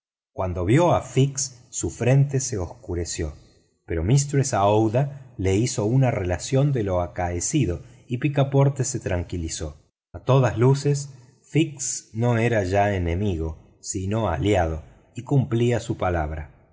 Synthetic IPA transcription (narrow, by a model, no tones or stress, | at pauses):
kwand̪o̞βjo̞afiksːufɾe̞nt̪ese̞oskuɾe̞sjo | pe̞ɾo̞mist̪ɾesaowðale̞iso̞unare̞lasjo̞nd̪e̞lo̞akaesið̞o̞ | ipikapo̞ɾt̪e̞se̞t̪ɾaŋkiliso̞ | at̪o̞ðazluse̞s | fiksno̞e̞ɾaʒaene̞miɣo̞ | sino̞a̰ljað̞o̞ | ikumpliasupalaβ̞ɾa